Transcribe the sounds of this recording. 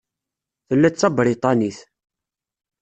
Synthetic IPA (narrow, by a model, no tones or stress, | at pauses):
θəlːæt͡sːɑbɾit̪ˤɑniθ